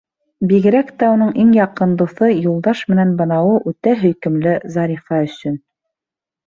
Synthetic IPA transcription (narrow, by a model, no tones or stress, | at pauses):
biɣɘ̆ɾækt̪æunɤɴʔiŋjɑqɤ̆nd̪uθɤjulˠd̪ɑʃmɘ̆nænbɤ̆nɑwɤʔʉt̪æɦɵ̆jkɘ̆mlɘzɑɾifɑɵ̆sɵn